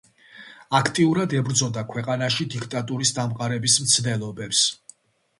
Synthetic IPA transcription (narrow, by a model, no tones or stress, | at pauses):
akʰt̪ʼiuɾad̪ɛbɾd̪zɔd̪akʰwɛqʼanaʃid̪ikʰt̪ʼat̪ʼuɾisd̪amqʼaɾɛbismt̪sʰd̪ɛlˠɔbɛps